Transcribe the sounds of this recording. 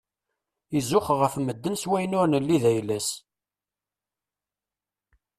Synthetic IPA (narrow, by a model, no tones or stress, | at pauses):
izʊχʁəfməd̪ːənswæjnʊɾnəlːiðæjlæs